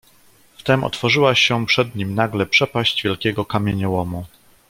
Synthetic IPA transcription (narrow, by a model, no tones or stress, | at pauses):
ft̪ɛmʔɔ̰t̪fɔʐɘwaɕɛpʂɛd̪ɲimnaɡlɛpʂɛpaʑd͡ʑvʲjɛlkʲɛɡɔkamʲjeɲɛwɔmu